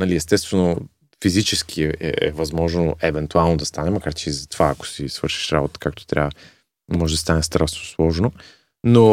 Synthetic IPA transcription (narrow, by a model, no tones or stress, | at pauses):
nɐliɛst̪ɛst̪vɛno | fizit͡ʃɛsk̟ʰiɛɛ̰ɛ̰vɐzmɔʒnoʔɛvɛnt̪ualˠnod̪ɐst̪anɛmɐkaɾt͡ʃɛizɐt̪ovaːko̥sisv̥ɤɾʃi̥ʃɾabot̪ə̥kak̚t̪o̥t̪ɾʲa̰və | mɔʒɛd̪ɐst̪anɛst̪ɾasnoslˠɔʒno | no